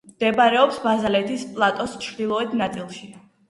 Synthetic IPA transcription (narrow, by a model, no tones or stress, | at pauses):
md̪̥ɛbaɾɛɔpsbazalɛt̪ʰispʼlˠat̪ʼɔst͡ʃʰɾd̪ilˠɔɛt̪ʰnat̪sʼilˠʃi